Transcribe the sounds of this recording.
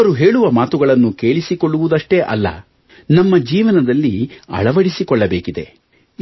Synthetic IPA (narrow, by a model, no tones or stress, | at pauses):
ɐɾuɦe̞ːɭuʋɐmaːt̪uɡɐɭɐnːuke̞ːɭisikoɭːuʋud̪ɐʂʈe̞ʔɐ̰lːɐ̰ | nɐmːɐd͡ʒiːʋɐnɐd̪ɐlːiɐ̰ɭɐʋɐɽisikɔɭːɐbeːkid̪e̞̰